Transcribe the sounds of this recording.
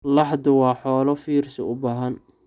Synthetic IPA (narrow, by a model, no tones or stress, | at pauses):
lɑħd̪ʊwɑːħɔːlɔfiːrsɐ̰ʊbaːɦɐn